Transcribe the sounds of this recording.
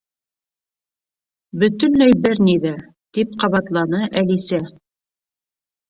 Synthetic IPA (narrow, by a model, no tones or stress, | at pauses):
bɵ̆t̪ɵ̆nlæjbɘɾniðæ | t̪ip̚qɑβɑt̪lˠɑnɤʔælisæ